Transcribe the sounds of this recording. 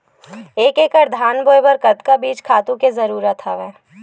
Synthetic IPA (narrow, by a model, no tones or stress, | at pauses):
eːkeːkəɾd̪ʱaːnboːjbɐɾkɐt̪kabiːt͡ʃkʰaːt̪ũkezɐɾuːɾət̪ʰɦaʋɛː